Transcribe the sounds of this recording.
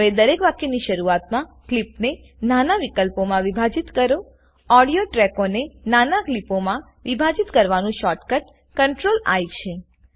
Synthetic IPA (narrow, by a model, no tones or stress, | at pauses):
ɦəʋed̪əɾekʋakeniʃəɾuat̪mãklipne | nanaʋikəlpomãʋibʱad͡ʒit̪kəɾo | ɔɽijoʈɾɛkonenanaklipomã | ʋibʱad͡ʒit̪kəɾʋanũʃɔʈkəʈ | kəɳʈɾola̰jt͡ʃʰe